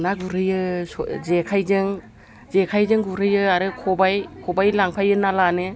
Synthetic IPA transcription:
naɡuɾɯjɯszekʰajzɯŋ | zekʰajzɯŋɡuɾɯjɯaɾɯkʰɔbajkʰɔbajlaŋpʰajɯnalanɯ

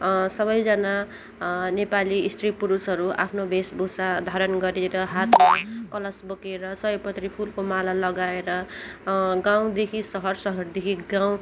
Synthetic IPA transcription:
sʌβʌjd͡zʌna | nepaliːst̪ripuɾusɦʌɾua̰pʰnobʱesbʱosad̪ʱaɾʌnɡʌɾeɾʌɦat̪makʌlʌsbʌkeɾʌsʌɦʌpʌt̪ripʰulkomalalʌɡaeɾʌ | ɡãw̃d̪ekʰisʌɦʌrsʌɦʌrd̪ekʰiɡãw̃

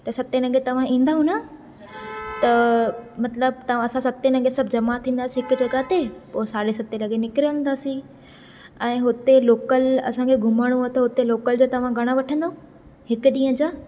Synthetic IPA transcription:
t̪ɐsɐt̪enɐ̃ɡʱet̪ɐʋ̤ãĩːnd̪aɦũna | t̪ɐmɐt̪ləb̚t̪ɐʋ̤ãɐsãsɐt̪enɐ̃ɡʱesɐbʱd͡ʑɐmat̪ʰĩːnd̪aːsĩɦɪkʊd͡ʑɐɡaɦt̪epoːsaːɾesɐt̪elɐɡenɪkɾijə̃nd̪aːsĩ | ɛ̃ːɦʊt̪eloːkəlɐ̰sãkʰeɡʱʊməɽ̃ũɦt̪ɐɦʊt̪eloːkəld͡ʑoːt̪ɐʋ̤ãɡʱɐɽ̃aʋɐʈʰə̃nd̪aɦũ | hɪkʊɗĩːə̃d͡ʑaː

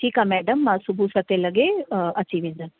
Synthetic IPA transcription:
ʈʰiːkamɛːɖɐmːãsubʱusɐt̪elɐɡeɐt͡ʃiʋindɐn

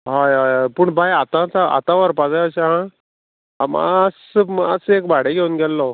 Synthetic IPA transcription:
ɦajɦajɦajpuɳbʱajat̪ãt͡saa̰t̪ãʋəɾpad͡zaəɕaɦã | am̰smasekbʱaɽeɡʱeunɡɛlːɔ

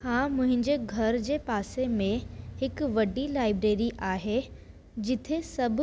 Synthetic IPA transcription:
hãːmʊ̃ɦɪ̃ɲd͡ʑeɡʱɐɾd͡ʑeːpaːsemẽɦɪkʋɐɖilaːɪbɾeːɾiʔaːɦe | d͡ʑɪt̪ʰesɐbʱ

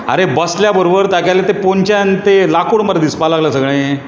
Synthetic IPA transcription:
ə̰ɾebəsljabəɾobəɾt̪akalet̪epoɲt͡ɕant̪elakoɽməɾd̪ispalaɡljasəɡɭẽje

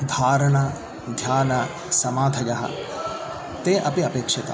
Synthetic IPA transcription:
d̪ʱaːɾɳɐ | d̪ʱjaːnɐ | sɐmaːd̪ʱʰɐd͡ʒɐɦɐ̰ | t̪eʔɐpiɐpeːkʂɪt̪a̰

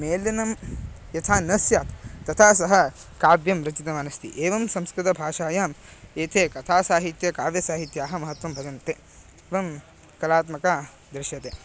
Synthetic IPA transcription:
meːlːɐnɐm | jɐt̪ʰaːnɐsjaːt̪t̪ɐt̪ʰaːs̬ɐɦɐ̆kaːbjɐmɾɐt͡ʃit̪ɐmaːnɐst̪ḭʔeːʋɐmsɐmskɾɪt̪ɐbʱaːʃaːjaːmeːt̪ʰeːkɐt̪ʰaːsaːɦit̪jɐkaːʋjɐsaːɦit̪jaːɦɐ̆mɐɦɐt̪ʋɐmbʱɐd͡ʒɐnt̪eː | eːʋɐm | kɐlaːt̪mɐkaː | d̪ɾɪʃjɐt̪eː

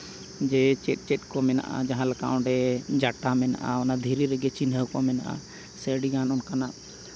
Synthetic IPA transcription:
d͡ʒɛt͡ʃɛt̪̚ˀt͡ʃɛt̪̚ˀkɔmɛna̰ʔa̰d͡ʒaɦãlaka̰ʔɔ̃ɖɛd͡ʒaʈamɛna̰ʔa̰ɔnad̪ʱiɾiɾɛɡɛt͡ʃinɦəwkɔmɛna̰ʔa̰ | sɛɽiɡanɔnkanaʔ

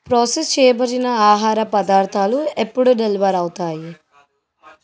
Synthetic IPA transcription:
pɾoːsest͡ʃɛːjɐbɐɾinɐaːɦaːɾɐpɐd̪aːɾt̪ʰaːluepːuɽuɖeliʋɐɾɐwt̪aːji

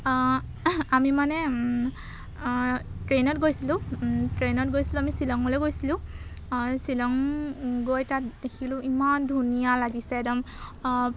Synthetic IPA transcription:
amimanɛ | tɹenɔtɡojsilʊ̃tɹenɔt̚ɡojsilʊ̃amisilɔŋɔleɡojsilʊ̃ | silɔŋɡojtatd̥ekʰilʊ̃imandʱunijalaɡisɛdɔm

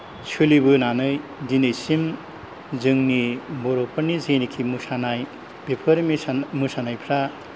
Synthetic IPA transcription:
t͡ʃʰulibɯnanɯjdinɯjsim | zɯŋnibɔɾopʰɯɾnizɯjnikʰimusanaj | b̥epʰɯɾmimusanajpʰɾa

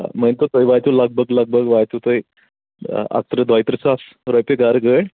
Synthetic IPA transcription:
məjnt̪ot̪ojʋajt̪uləɡ̚bəɡləɡ̚bəɡʋajt̪ut̪oj | a̰k̚t̪ɾəd̪ajt̪ɾəsas | ɾɔjpeɡaɾɡəɽ

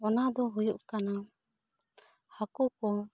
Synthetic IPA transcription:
ɔnad̪ɔɦujuʔkana | hakukɔ

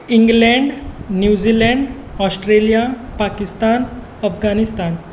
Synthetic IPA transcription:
iŋɡlɛɳɖnjud͡ʑilɛ̃ɳɖ | ɔsʈɾelijapakist̪an | əfɡanist̪an

